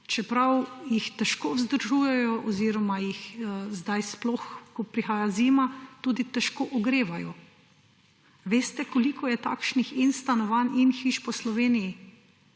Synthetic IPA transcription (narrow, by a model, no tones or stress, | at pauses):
t͡ʃɛpɾawjixt̪ɛʃkoːwzd̪əɾʒuːjɛjɔʔɔziːɾɔmajixzd̪ajsplɔxkɔpɾixaːjaziːmat̪uːd̪it̪ɛʃkoːʔɔɡɾeːʋajɔ | ʋeːst̪ɛkɔlikʰɔjɛt̪a̰ːkʃnixinst̪anɔʋaninxiʃpɔslɔʋeːniji